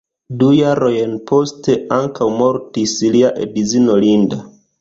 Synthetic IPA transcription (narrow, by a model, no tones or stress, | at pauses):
dujaɾo̞jnpʰo̞ste̞aŋkawmo̞ɾtisliaʔḛbizino̞linda